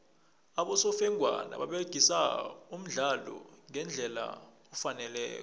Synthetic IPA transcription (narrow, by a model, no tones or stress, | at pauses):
aɓɔsɔfɛŋʱwa̰na̰ɓaɓeɡ̥ʱisaum̩ɮalɔ̰ŋɛnd͡ɮʱɛla̰ | ɔfanɛlɛ̰ːk̬ɔ